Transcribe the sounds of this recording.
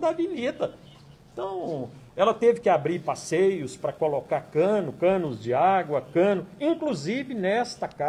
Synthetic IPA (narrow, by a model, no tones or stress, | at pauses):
d̪ɐvinit̪ɐ | t̪ɐ̃w̃ɛlɐt̪evɪkɪabɾiɾpasejʊspɾɐkolokaɾkɐ̃nʊkɐ̃nʊzd͡ʒɪaɡwɐkɐ̃nʊĩŋkluzivɪnɛst̪ɐka